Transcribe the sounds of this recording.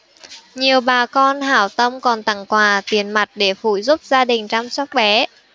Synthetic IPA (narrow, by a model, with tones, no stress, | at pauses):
ɲi˨˩əwɓaː˨˩kɔ˧nhaː˧˩wt̪ə˧mkɔ˨˩nt̪a˨˧˩ŋkwaː˨˩t̪i˨˩ənma˨˩t̚ɗe˧˩fṵ˧˩jzu˦˥p̚zaː˧ɗï˨˩ŋ̟t͡ɕa˧mswɔ˦˥k͡p̚ɓɛ˨˦